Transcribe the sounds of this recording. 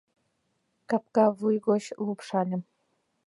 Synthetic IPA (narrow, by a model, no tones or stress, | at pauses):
kɑp̚kɑvujɣoɕlupʃɑlʲɘ̆m